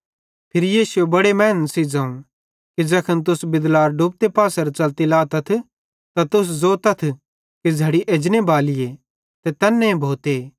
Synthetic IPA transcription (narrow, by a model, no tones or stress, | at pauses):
pʰɪɾijiːsuebɐɽemɛːnsid͡zɐ̃ːũ | kid͡ʒɐkʰənt̪̬ʊsbɪd̪laːɾɖup̚t̪epaːsɐɾt͡ʃɐlt̪ilaːt̪ɐt̪ʰ | t̪at̪ʊs̬zoːt̪ɐt̪ʰ | kid͡zʱɐɽiʔeːd͡ʒnebaːlɪje | t̪ɛt̪ɛːnːẽbʱoːt̪eː